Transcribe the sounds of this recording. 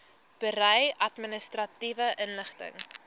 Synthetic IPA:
b̥əɾəjɐtminəstrɐtivəʔənləχtə̰ŋ

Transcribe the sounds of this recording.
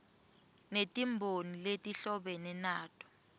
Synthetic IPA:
netʼimbʱoniletʼiɬɔɓɛnɛnaːtʼɔ̥

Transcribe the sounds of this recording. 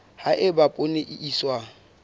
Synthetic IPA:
haʔɪbapʼʊneʔiʔiswa

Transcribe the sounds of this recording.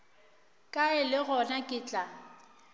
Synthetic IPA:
kʼaɪlɪɣɔnakʼɪːt͡ɬʼa

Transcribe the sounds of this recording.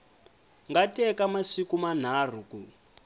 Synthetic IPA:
ŋɡatʼɛkamasikuman̤aːr̤uku

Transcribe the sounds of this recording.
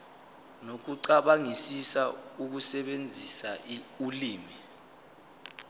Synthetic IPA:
nok̬uǀaɓaŋisisauk̬usɛɓend͡zʱisaiuliːmi

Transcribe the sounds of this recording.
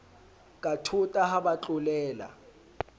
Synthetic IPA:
kʼatʰutʼahabat͡ɬʼʊlɛːla̰

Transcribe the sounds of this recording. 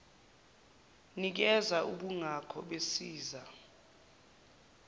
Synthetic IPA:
nik̬ɛzaʔuɓuŋakʰɔ̰ɓesiːza

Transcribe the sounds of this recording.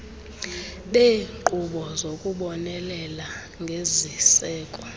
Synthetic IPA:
ɓeːǃuɓɔzokʼuɓɔnɛlɛla | ŋɡʱezisɛːkʼɔ

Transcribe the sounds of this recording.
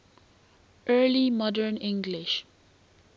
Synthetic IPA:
ʔɜːlimɔdəɹnɪ̃ŋɡlɪʃ

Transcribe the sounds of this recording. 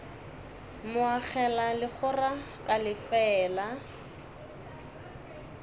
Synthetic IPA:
mʊaχɛlalɪχʰʊra | kʼalɪfɛːla

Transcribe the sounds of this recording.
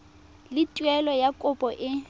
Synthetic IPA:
lɪtʼwɛlɔjakʼʊpʼɔʔɪ

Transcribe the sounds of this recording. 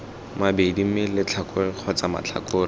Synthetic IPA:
mabedimɪlɪt͡ɬʰakq͡χʰɔt͡sama̰t͡ɬʰa̰kʊːr

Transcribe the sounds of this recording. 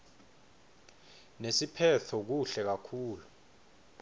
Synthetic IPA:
nesipʰɛtʰɔk̬uɬɛk̬akʰuːlu

